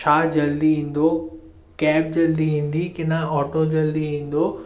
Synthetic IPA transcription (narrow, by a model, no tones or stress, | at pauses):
t͡ɕʰaːd͡ʑɐld̪iɦĩːn̆d̪o | kɛːp̚d͡ʑɐld̪iĩːn̆d̪ikɪnãɔːʈod͡ʑɐld̪iɦĩːn̆d̪oː